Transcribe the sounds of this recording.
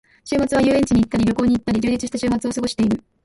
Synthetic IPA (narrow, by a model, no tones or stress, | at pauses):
ɕɨːmat͡sɨβajɯːẽ̞ɲt͡ɕiɲ̟iːt̪ːaɾʲiɾʲjo̞ko̞ːɲ̟iːt̪ːaɾʲid͡ʑɨːd͡ʑit͡sɨɕi̥t̪aɕɨːmat͡sɨo̞sɨɡo̞ɕi̥e̞iɾɯ̟